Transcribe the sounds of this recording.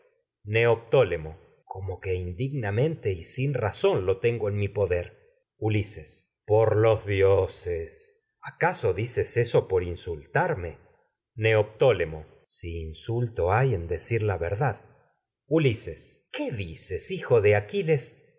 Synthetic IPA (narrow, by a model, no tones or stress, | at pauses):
ne̞op̚t̪olemo̞ | kʰo̞mo̞ke̞ind̪iɣnamẽ̞nt̪e̞isinraso̞nlo̞t̪e̞ŋɡoe̞nmipo̞ðeɾ | ulises | po̞ɾlozðjoses | akaso̞ðisese̞so̞po̞ɾinsult̪aɾme̞ | ne̞op̚t̪olemo̞ | siːnsult̪o̞aje̞nd̪e̞siɾlaβeɾðað | uliseskeðisesixoðeakile̞s